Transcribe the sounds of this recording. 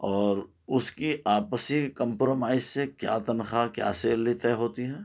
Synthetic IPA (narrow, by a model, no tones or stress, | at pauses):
ɔːɾ | ʊskiʔaːpəsikə̃mpɾoːmaːɪzsekja̰ːt̪ɐnxakja̰ːseːllit̪ɛɦoːt̪iɦɛ̃ː